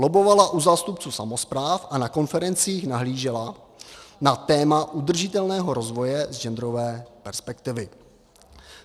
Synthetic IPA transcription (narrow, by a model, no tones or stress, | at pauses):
lobo̞valaʔuzaːst̪up̚t͡suːsamo̞spɾaːfʔanako̞nfɛɾɛnt͡siːxnaɦliːʒɛla | nat̪ɛːmaʔud̪r̩ʒɪt̪ɛlnɛːɦo̞ɾo̞zvo̞jɛzd͡ʒɛnd̪ɾo̞vɛːpɛɾspɛkt̪ɪvɪ